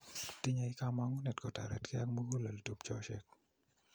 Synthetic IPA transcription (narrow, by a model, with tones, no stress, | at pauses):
ti˦ɲa˨ɪ˦ka˦ma˦ŋu˦nɛ˨tkɔ˨ta̰˨ɾɛ̰˨tkɪ˦a˦kmu˦ɡu˦la˨lto˨pt͡ʃɔ˦ʃɛ˦k̚